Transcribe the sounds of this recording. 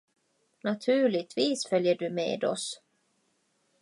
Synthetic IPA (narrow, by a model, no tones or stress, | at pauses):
nat̪ʰʉ̟ːɭɪɡ̚t̪viːsfœljəɖɵmḛːd̪ɔ̰s